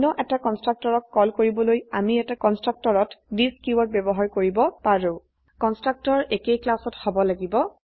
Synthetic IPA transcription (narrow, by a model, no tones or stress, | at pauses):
nɔʔɛtakɔnstɹak̚tɔɹɔkkːɔlkoɹibɔlojamiɛtakɔnstɹak̚tɔɹɔtdiskjuwɔt̚bɛbɔɦaɹkoɹibɔpaɹʊ̃ | kɔnstɹak̚tɔɹʔekejklasɔthɔbɔlaɡibɔ